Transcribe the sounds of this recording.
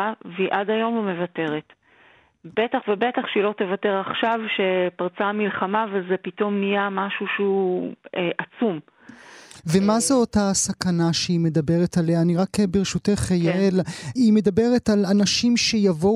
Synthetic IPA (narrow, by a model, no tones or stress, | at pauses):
veiʔadajo̞mume̞vate̞ʁet | b̥etaχvebetaχʃeilo̞te̞vateʁaχʃavʃepaʁt͡samilχamavezepito̞mnijamaʃuʃ | eʔat͡sum | ve̞mazeotasakanaʃeime̞dabe̞ʁetaleaːniʁakbeʁʃuteχejaelime̞dabe̞ʁe̞talanaʃimʃe̞javo